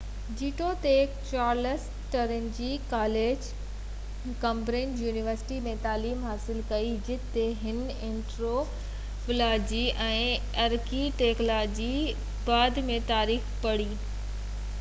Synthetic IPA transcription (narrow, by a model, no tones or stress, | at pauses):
d͡ʑiːʈot̪eːkt͡ɕaːɾləs | ʈɐɾɪnɪ̆d͡ʑiːkaːleːd͡ʑ | kɐ̃mpɾẽnjuːnɪʋəɾsɪ̥ʈimẽt̪aːliːmɦaːsɪlkɐid͡ʑɪt̪eɦɪn | ɪ̃ɳʈɾo | pɪlaːd͡ʑiʔɛ̃ː | ɐɾkiʈeːklaːd͡ʑi | baːd̪mẽt̪aːɾiːxpɐɽiː